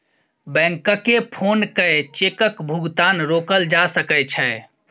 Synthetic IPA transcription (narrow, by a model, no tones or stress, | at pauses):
bɛ̃ŋkəkepʰonkət͡ʃekəkbʱuɡt̪anɾokəld͡ʒasəkɛt͡ʃʰɛ